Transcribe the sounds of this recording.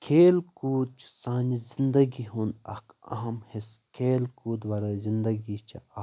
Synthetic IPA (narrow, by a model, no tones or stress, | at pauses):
kʰeːlkuːt͡ʃʰsãːnd͡ʒizind̪ɐɡiɦunɐ̰kɐ̰ɦɐmheskʰeːlkuːd̪ʋaːɾɐzind̪ɐɡit͡ʃʰɐa